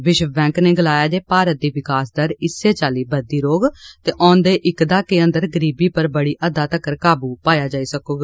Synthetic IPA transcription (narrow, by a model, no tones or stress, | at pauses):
ʋɪʃbɛ̃ːŋkneːɡəlaːjaːd͡ʒeːpaːɾət̪̚d̪iːʋɪkaːsd̪əɾɪsːeːt͡ʃaːliːbəd̪iːɾoːɡt̪eːʔɔ̃ːnd̪eːʔɪkd̪aːkeːə̃nd̪əɾɡəɾiːbiːpəɾbəɽiːʔəd̪aːt̪əkəɾkaːbuːpaːjaːd͡ʒaːiːsəkoːɡ